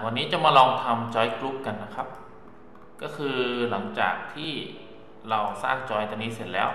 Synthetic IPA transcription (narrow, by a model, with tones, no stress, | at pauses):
wa˧nːiː˦˥t͡ɕa˨˩maː˧lɔː˧ŋt̪ʰa˧mt͡ɕɔː˦˥jklu˦˥p̚ka˧nːa˦˥kʰa˦˥p̚ | kɔː˥˩kʰɯː˧la˩˦ŋt͡ɕa̰ː˨˩k̚t̪ʰiː˥˩ | ɾa˧wsa̰ː˥˩ŋt͡ɕɔː˧˥jt̪ɔ˧niː˦˥se˨˩t̪̚lɛː˦˥w